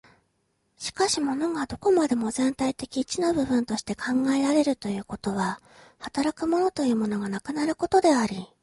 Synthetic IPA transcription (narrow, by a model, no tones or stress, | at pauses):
ɕi̥kaɕimo̞no̞ɡad̪o̞ko̞mad̪e̞mo̞zẽ̞nt̪ait̪e̞kʲiːt͡ɕino̞bɯ̟bɯ̟̃nt̪o̞ɕi̥t̪e̞kʰãŋɡae̞ɾaɾe̞ɾɯ̟t̪o̞jɯ̟ːko̞t̪o̞βa | hat̪aɾakɯ̟mo̞no̞t̪o̞jɯ̟ːmo̞no̞ɡanakɯ̟naɾɯ̟ko̞t̪o̞d̪e̞aɾʲi